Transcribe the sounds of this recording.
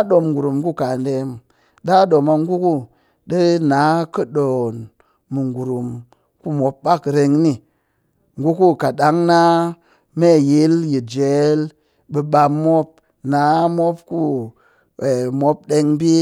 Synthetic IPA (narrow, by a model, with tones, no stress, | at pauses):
ɗo˨mɡu˨ɾu˨mku˦˨ka˨nde˧m | ɗa˦ɗo˨ma˧ŋ˦ɡu˦ku˦ | ɗə˦na˨˦kə˦ɗo˨nː | ɨ˨ŋɡu˨ɾu˨m | ku˦mo˨˦p̚ɓa˦kɾe˧ŋni˦ | ŋɡu˦ku˦ka˨ɗa˨˦ŋna˦ | me˦˨ji˦lji˨d͡ʒe˨˦l | ɓə˧ɓa˧mːo˦p̚ | na˨˦mo˦p̚ku˦˨ | mo˧˦p̚ɗe˧ŋbi˦